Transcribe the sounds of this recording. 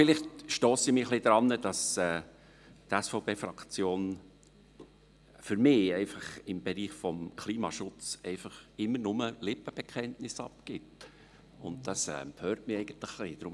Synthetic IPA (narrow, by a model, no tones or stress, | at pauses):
fɪlɪχtʃtoːsɪmɪχlid̪ɾɑnːəd̥ɑsɛː | tɛsfɔʊpeːfɾɑkt͡sjoːn | fʏɾmɪɛɪfɑχɪmbɛɾiːχfɔmkʰliːmɑ̰ʃʊt͡sɛɪfɑχɪmːəɾnʊməlɪpːəb̥ɛkʰɛntnɪsɑ̰pkɪt | ʊ̰nt̚d̥ɑsɛ̰pʰøːɾtmɪɛɪɡ̥ən̩t̪ləχliːd̥ɾʊm